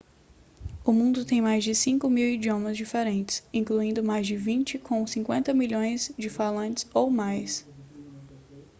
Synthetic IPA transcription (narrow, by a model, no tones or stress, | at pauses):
ʊmũnd̪ʊt̪ẽj̃majzd͡ʒɪsĩŋkʊmiwid͡ʒiõmɐzd͡ʒifeɾẽnt͡ʃɪ̥sĩkluĩnd̪ʊmajzd͡ʒɪvĩt͡ʃɪkʰõsĩŋkwẽnt̪ɐmiʎõj̃zd͡ʒɪfalɐ̃t͡ʃɪ̥sowmajs